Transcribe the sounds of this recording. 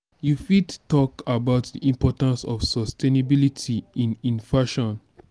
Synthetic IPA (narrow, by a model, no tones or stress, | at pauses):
jufidtɔkabaʊtdiʔĩmpɔtãnsɔ̰fsɔstenabilitʰiĩnĩnfaʃɔ̃n